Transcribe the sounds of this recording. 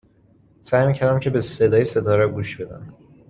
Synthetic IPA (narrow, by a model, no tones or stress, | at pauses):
sæjmiːcʰæɾæmcʰe̞besed̪ɒːjese̞d̪ɒːɾæɡuːʃb̥e̞d̪æ̰n